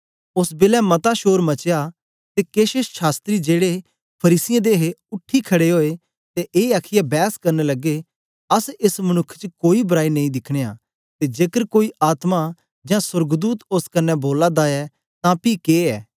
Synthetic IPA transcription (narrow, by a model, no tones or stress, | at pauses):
ʊsbɪːlɛmɐt̪aʃoːɾmɐt͡ʃeja | t̪ekeːʃesʃaːst̪ɾid͡ʒeːɽe | pʰɐɾiːsɪjãd̪eːɦeʊʈʰːikʰɐɽeɦoːe | t̪eʔeːaːkʰɪjabɛːskɐɾnelɐɡe | ɐsɪsmɐɽ̃ʊkʰt͡ʃəkoːibɐɾaːinɐ̃ĩd̪ɪkʰɽ̃eːa̰ | t̪ed͡ʒeːkəɾkoːiʔaːt̪ma | d͡ʒãsʊɾɡd̪uːt̪oskɐnːɛboːlad̪aɛ | t̪ãpikeːɛ̰ː